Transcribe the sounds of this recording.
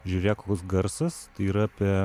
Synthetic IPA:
ʒʲuːɾʲeːjɛkoːkʲʊsɡɐɾsɐst̪ɐɪiːɾɐɐːpʲiɛ

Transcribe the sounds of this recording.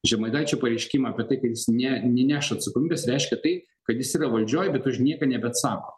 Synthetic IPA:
ʒʲɛmɐɪd̪ɐːt͡ʃʲoːpɐɾʲɛɪʃʲkʲimɑːpʲɛt̪ɐɪkɐt̪jɪsnʲɛnʲɛnʲæːʃɐɐt̪sɐkoːmʲiːbʲeːsɾʲɛɪʃʲkʲɛt̪ɐɪ | kɐt̪jɪsiːɾɐʋɐlʲd͡ʒʲoːjɛbʲɛt̪ʊʃnʲiɛkɐnʲɛbʲɛt̪sɑːkoː

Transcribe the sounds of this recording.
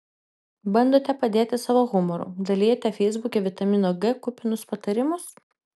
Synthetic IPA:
bɐnd̪oːt̪ʲɛpɐd̪ʲeːt̪ʲɪsɑːʋoːɣʊmɔɾṵːd̪ɐlʲiːjɛt̪ʲɛfʲɛɪzbʊkʲeːʋʲɪt̪ɐmʲɪnoːɡɛkʊpʲɪnʊspɐt̪ɐɾʲɪmʊs

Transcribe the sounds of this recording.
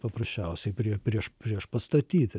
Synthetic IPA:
pɐpɾɐsʲt͡ʃʲɛʊsʲɛɪpʲɾʲiɛpʲɾʲiɛʃpʲɾʲiɛʃpɐst̪ɐt̪ʲiːt̪ʲɪ

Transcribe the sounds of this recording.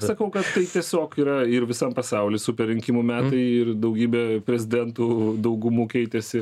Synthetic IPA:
sɐkɐʊkɐt̪ːɐɪt̪ʲiɛsʲoːkkiːɾɐɪɾʋʲɪsɐmpɐsɐʊlʲɪsʊpʲɛɾʲɪŋʲkʲiːmumʲæːt̪ɐɪɪrd̪ɐʊɡʲiːbʲɛpʲɾʲɛzʲɪd̪ʲɛnt̪uːd̪ɐʊɡʊmuːkʲɛɪt̪ʲɛsʲɪ

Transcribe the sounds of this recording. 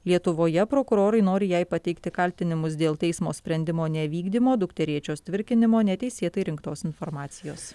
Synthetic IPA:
lʲiɛt̪ʊʋoːjɛpɾoːkʊɾoːɾɐɪnoːɾʲɪjɛɪpɐt̪ʲɛɪkt̪ʲɪkɐlʲt̪ʲɪnʲɪmʊsd̪ʲeːlˠt̪ʲɛɪsmoːsʲpʲɾʲɛnʲd̪ʲɪmoːnʲɛʋʲiːɡd̪ʲimoːd̪ʊkt̪ʲɛɾʲiɛt͡ʃʲoːst̪ʲʋʲɪɾʲkʲɪnʲɪmoːnʲɛt̪ʲɛɪsʲeːt̪ɐɪɾʲɪŋkt̪oːsɪnfoːɾmɑːt̪sʲɪjoːs

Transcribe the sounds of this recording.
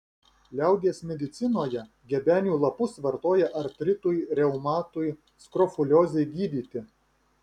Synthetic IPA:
lʲæˑʊɡ̪ʲeːsmʲɛd̪ʲɪt̪sʲɪnoːjɛ | ɡʲɛbʲæːnʲuːlˠɐpʊsʋɐɾt̪oːjɛʔɐɾʲt̪ʲɾʲɪt̪uːjɾʲɛʊmɑːt̪uj | skɾɔfʊlʲoːzʲɛɪɡʲiːd̪ʲiːt̪ʲɪ

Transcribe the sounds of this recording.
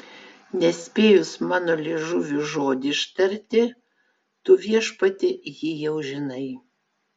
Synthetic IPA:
nʲɛsʲpʲeːjʊsmɑːnoːlʲeːʒʊʋʲʊʒoːd̪ʲɪʃt̪ɐɾʲt̪ʲɪ | t̪ʊʋʲiɛʃpɐt̪ʲɪjɪjɛʊʒʲɪnɐɪ

